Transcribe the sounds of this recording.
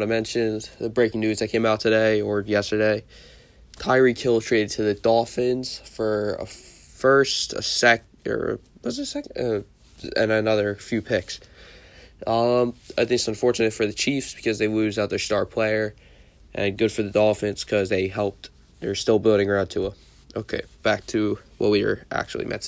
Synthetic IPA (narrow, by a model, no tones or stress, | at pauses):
ɾaɪmɛ̃nʃɨ̃nðɨbɹeɪkɪ̃ŋnʉzðɨt̚kʰẽɪ̃maʊtʰɨɾeɪə˞jɛstə˞deɪ | tʰaɪɹikʰɪlˠtʰɹ̥eɪɾɨd̚tʰɨðɨdɔlˠfɪ̃nz̥fə˞ə̰ | fɜ˞stə̰sɛk | ə̰˞ə̰wʌzsɛkʌ | ɨ̰̃nɨnʌðə˞fjʉpʰɪks | ʔʌ̃maɪĩtsɨ̃ɱfɔɹt͡ʃɨnɨtfə˞ðɨt͡ʃʰifsb̥ɨ̥kʰʌzðeɪmʉzaʊt̪̚ðə˞stɑɹpʰl̥eɪə˞ | ʔɨ̰̃nɡʊd̥fə˞ðɨdɔfɨ̃nz̥kʰʌzðeɪɦɛlˠp̚ | ðə˞stɪlˠbɪlˠɾɪ̃ŋə˞ãʊ̃ntʰəə | ʔo̰ʊkʰḛɪb̥æk̚tʰɨwʌ̰t̚wiwə̰˞ʔæ̰k̚t͡ʃul̩ˠḭmʔɛ̰ts